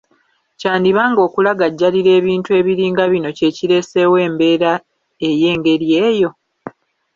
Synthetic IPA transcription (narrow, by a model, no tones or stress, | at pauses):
caːndiβaːŋɡo̞ːkulaɡaɟːaliɾe̞ːβiːntuwe̞ːβiɾiːŋɡaβino̞ce̞ːciɾe̞ːse̞we̞ːmbe̞ːɾa | e̞je̞ːŋɡe̞ɾje̞ːjo̞